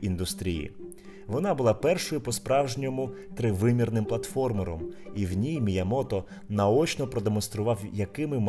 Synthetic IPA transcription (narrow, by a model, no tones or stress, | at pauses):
ind̪ʊst̪ɾʲijḭ | ʋɔnɑbʊlˠɑpɛrʃɔjʊpɔspɾɑwʒnʲɔmʊt̪ɾɪʋɪmʲirnɪmplˠɐt̪fɔrmɔɾɔmiwnʲijmʲijɐmɔt̪ɔ | nɐɔt͡ʃnɔpɾɔd̪emɔnst̪ɾʊʋɑwjɐkɪmɪm